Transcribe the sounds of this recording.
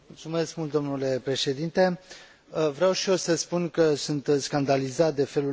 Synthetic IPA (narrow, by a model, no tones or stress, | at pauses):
mult̪sume̞skmult̪d̪o̞mnule̞pɾe̞ʃe̞d̪int̪e̞ | əvɾawʃio̞səspunkəsunt̪skand̪alizat̪̚d̪e̞fe̞lu